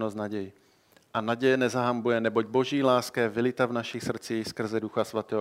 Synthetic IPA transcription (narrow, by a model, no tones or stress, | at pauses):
nosnaɟɛjɪ | ʔanaɟɛjɛnɛzaɦambujɛnɛboɟ̚bo̞ʒiːlaːskajɛvɪlɪt̪avnaʃɪxsr̩t͡siːxskr̩zɛduxasvat̪ɛːɦ